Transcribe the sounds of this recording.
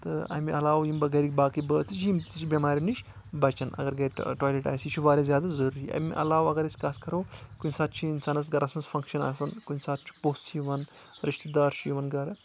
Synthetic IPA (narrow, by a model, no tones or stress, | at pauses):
t̪ɨɐ̰miʔɐlaːwjimbɐɡɐɾik̚ʲbaːkɨjbəːt͡sɨt͡ʃʰjimt͡sit͡ʃʰibʲɐmaːɾʲimniʃ | bɐt͡ʃɐnʔɐ̰ɡɐɾɡɐɾʲʈaːjleʈa̰ːjsit͡ʃʰuʋaːɾʲɐzʲjaːd̪azɐɾuɾiʔɐ̰mʲḭʔɐ̰laːwɐɡɐɾɐsʲkaːt̪ʰkɐɾɐwkunʲsaːt̪̚ʰt͡ʃʰiinsaːnɐs̬ɡɐɾɐsmɐnzfʰɐŋkʃɐna̰sɐnkunʲsaːt̪̚ʰt͡ʃʰu̥poːst̪t͡ʃʰiʋɐn | ɾiʃt̪d̪aːɾʃiʋɐnɡɐɾ